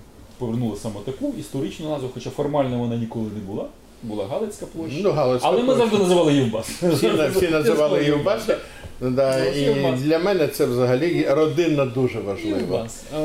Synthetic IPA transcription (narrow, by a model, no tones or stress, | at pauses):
pɔʋernulˠɐsɐmɛt̪ɐkuist̪ɔɾɪt͡ʃnʊnɑzʋʊxɔt͡ʃafɔrmɑlʲnɐʋɔnɑnʲikɔlˠɪnɛbʊlˠɑ | bʊlˠɑɦɑlˠet͡sʲkɐplˠɔʃnuɦɑlˠɔsɐlˠɛmɪzaʒd̪ɪnɐzɪʋɑlˠɪjiwbɑssʲnfssʲinɐzɪʋɑlˠɪjiwbɛsɐ | d̪ɑid̪ʲlʲɐmɛnɛt̪sɛwzɐɦɐlʲirɔd̪ɪnɐd̪uʒɛʋɐʒlˠɪʋɔ